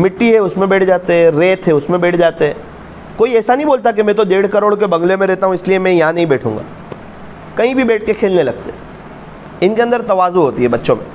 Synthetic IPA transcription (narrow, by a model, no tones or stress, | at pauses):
mɪʈːiɦɛʊsmẽbɛːʈʰd͡ʒaːt̪eɦɛ̃ɾeːt̪ɦɛʊsmẽbɛːʈʰd͡ʒaːt̪eɦɛ̃ː | koːiɛːsanɐɦĩboːlt̪ak̬emɛ̃t̪od̪eːɽ̤kɐɾoːɽkebɐ̃ŋɡlemẽɾɛɦt̪aɦũɪsliemɛ̃jɐɦãnɐɦĩbɛːʈʰṵ̃ːŋɡa̰ː | kɐɦĩbʱibɛːʈ̚ʰkekʰeːlnelɐɡ̚t̪eɦɛː | ɪnkeɐ̃nd̪əɾt̪ɐʋaːzoɦoːt̪iɦɛbɐtːʃõmḛ̃